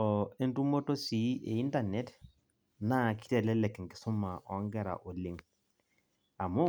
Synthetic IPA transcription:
ɔ˨e˦ntu˦mo˦to˦si˨˦ʔḛ˨i˦nda˦˨ne˦t | na˦ki̥˦tɛ˨lɛ˦lɛ˨kŋɡɪ̥˨so˦ma˨ʔɔ˨˦ŋɡɛ˦ɾa̰˨ʔo˨li˦ŋ | a˨mu˦

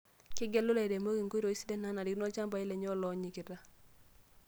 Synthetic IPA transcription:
kɪ˦ɡɛ˦lʊ˦la˨i˨ɾe˨mo˦ki˨ŋko˦ɾo˨i˦si˦dɛ˦na˨˦na˨ɾi˦knɔ˦t͡ʃa˦mba˨ɪ˦lɛ˨ɲɔ˦lɔ˨˦ɲi˨kɪ˨ɾa˦

